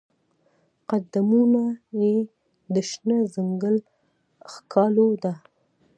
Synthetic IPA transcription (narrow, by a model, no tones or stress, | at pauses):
qad̪amunaje | d̪əʃnəzəŋɡəl | xkʰɑlod̪a